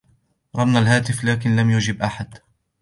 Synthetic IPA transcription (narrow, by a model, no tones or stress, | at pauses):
ɾˤɑbnalhaːt̪ɪflaːkɪnlamjʊd͡ʒɪbʔaħad̪